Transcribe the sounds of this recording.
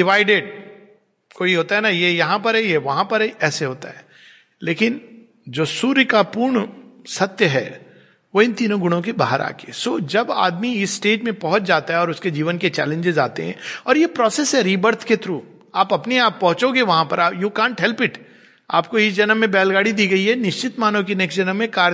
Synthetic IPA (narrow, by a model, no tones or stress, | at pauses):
ɖɪʋaːɪɖeɖ̚ | koːiɦoːt̪aɦɛnajejɐɦãpɐɾɦɛjeʋɐɦãpɐɾɦɛɛːseɦoːt̪a̰ɦɛː | leːkɪn | d͡ʒoːsuːɾkapuːɾɳsɐt̪jəɦɛ̰ː | ʋoːɪ̃nt̪iːnõɡʊɽ̃õk̬ebaːɦəɾʔa̰ːkeːsoːd͡ʒɐba̰ːd̪miɪsːʈeːʈmẽpɐɦʊt͡ʃd͡ʒaːt̪aɦɛɔːɾʊsked͡ʒiːʋənket͡ʃɛ̰ːlẽɲd͡ʒɪzaːt̪ḛɦɛ̰̃ːɔːɾjepɾɔːseːsɦɛɾiːbəɾt̪ʰket̪ɾuː | aːpɐpniaːpːɐɦʊ̃t͡ʃoɡeʋɐɦãpɐɾaːjuːkãːɳʈɦɛlpɪʈ | a̰ːpkoɪsd͡ʒɐnəmːẽbɛːlɡaːɽid̪iːɡɐiɦɛnɪʃt͡ʃɪt̪maːnõkineksd͡ʒɐnəmːẽkaːɾ